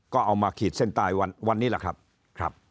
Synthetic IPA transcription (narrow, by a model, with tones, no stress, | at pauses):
kɔː˥˩ʔa˧wmaː˧kʰiː˨˩t̪̚se˥˩nt̪aː˧jwa˧nwa˧nːiː˦˥la˨˩kʰɾa̰˦˥p̚ | kʰɾa˦˥p̚